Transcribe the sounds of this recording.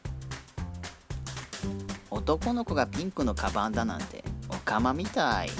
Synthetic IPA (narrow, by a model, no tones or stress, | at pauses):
o̞t̪o̞ko̞no̞ko̞ɡapʲĩŋkɯ̟no̞kabãnd̪anã̰nt̪e̞̰okamamʲit̪aḭ